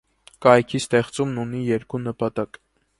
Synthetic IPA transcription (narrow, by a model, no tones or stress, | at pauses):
kɑjkʰist̪ɛχt͡sumnunijɛɾkunəpɑt̪ɑk